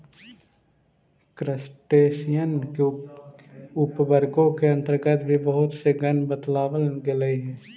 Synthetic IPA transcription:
kɾəsʈeːʃijən | ʊpʋəɾɡõkeə̃nt̪əɾɡət̪bʱibəɦʊt̪seɡənbət̪laːwəlɡeləiɦɛː

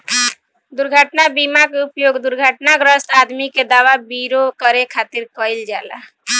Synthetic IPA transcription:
d̪uɾɡʱəʈnabimakeupjoɡd̪uɾɡʱəʈnaɡɾəst̪ad̪miked̪aʋabiɾokəɾekʰat̪iɾkəjld͡ʒala̰

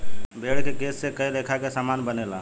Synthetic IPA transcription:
bʱeːɽkekeːsːekəiɾeːkʰakesamaːnbənela̰ː

